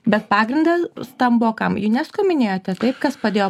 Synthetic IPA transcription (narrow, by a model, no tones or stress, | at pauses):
bʲɛt̪̚pɑːɡɾʲɪnd̪ɐsst̪ɐmboːkɐmjʊnʲɛskoːmʲɪnʲeːjoːt̪ʲɛt̪ɐɪp̚kɐspɾɐd̪ʲeːjoː